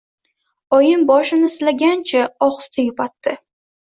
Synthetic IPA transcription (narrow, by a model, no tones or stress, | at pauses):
ɒjɪnbɒʃɪnɪslaɡʲant͡ʃʰaɒχst̪ʰajʊpʰat̪ʰːɪ